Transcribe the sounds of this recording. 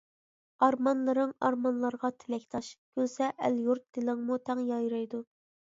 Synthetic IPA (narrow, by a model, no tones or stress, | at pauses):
ɑɾmɑnlˠɨɾɨŋɑɾmɑnlˠɑɾʁɑt̪ʰɪlɛkʲt̪ʰɑʃkʲʰølsɛʔæljuɾt̪̚d̪̥ɪlɪŋmut̪ʰɛŋjɑjɾɑjd̪u